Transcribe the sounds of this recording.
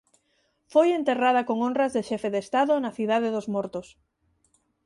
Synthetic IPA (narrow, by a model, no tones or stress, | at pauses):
fojent̪erað̞ɐkoŋonrɐzðeʃɛfeðest̪aðʊnɐθiðaðeðozmɔɾt̪os